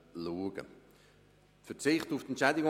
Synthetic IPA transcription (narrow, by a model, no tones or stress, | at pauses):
luːɡ̥ə̰ | tfət͡sɪχtuft̪ɛntt͡ʃɛɪdɪɡo